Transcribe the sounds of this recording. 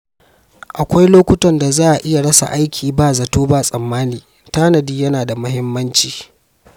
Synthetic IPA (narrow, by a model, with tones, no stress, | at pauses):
ʔa˨kʷa˦jloː˦kʷʊ˦tɔ˨nda˨zaː˦ʔa˨ʔɪ˦ja˨ɽɐ˦sa̰˨ʔa˦jkʲʰiː˨baː˦zɐ˨toː˦baː˦˨sʼɐ˨mːaː˦niː˨ | taː˦nɐ˨diː˦jɐ˦naː˨da˨mɐ˦hɪ˦mːɐ˦nt͡ʃiː˨